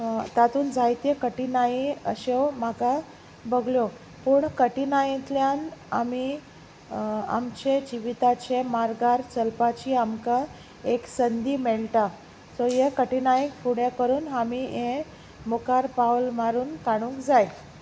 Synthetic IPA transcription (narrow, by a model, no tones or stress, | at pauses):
t̪at̪uːnd͡zajt̪jekəʈinaiə̰ɕewmaka | bəɡljo | puɳkəʈinajẽt̪ljana̰mi | a̰mt͡ɕed͡ʑiʋit̪at͡ɕemaɾɡaɾt͡səlpat͡ɕiːamka | eksənd̪iːmeɭt̪a | sɔjekəʈinajĩfuɽjakəɾuːnamiẽ | mokaɾpawlmaɾuːnkaɽ̃ũŋkd͡zaj